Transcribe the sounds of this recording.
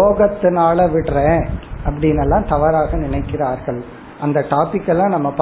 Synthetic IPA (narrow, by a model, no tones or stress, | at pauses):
oːɣɐt̪ːɯnaːlɐʋɪʈːrẽːɐpːɐɽɪnɐlːãːt̪ɐʋɐɾaːɣɐnɪɳɐɪkːɪɾaːɾɣɐɭ | ʔɐnd̪ɐʈaːpɪkːɛlːãːnɐmːɐpɐ